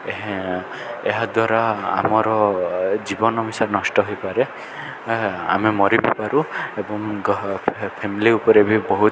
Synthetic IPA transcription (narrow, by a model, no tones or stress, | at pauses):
ɦ | eɦad̪waɾaa̰mɔɾɔd͡ʒibɔnɔbisaɾnɔsʈɔɦojpaɾe | a̰memɔɾibʱipaɾuebɔŋ | pʰemiliupɔɾebʱibɔɦu